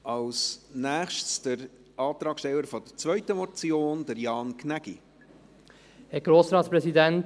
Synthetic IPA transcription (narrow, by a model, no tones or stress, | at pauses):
ʔɑlsnæːχʃtsd̥əɾ | ʔɑːt̪ɾɑːkʃtɛləɾfɔd̥əɾt͡svœʏtəmɔt͡sjoːnd̥əɾjɑːnkʰnæɡ̥ḭ | hɛɡ̥ɾoːsɾɑːtspɾɛsidɛnt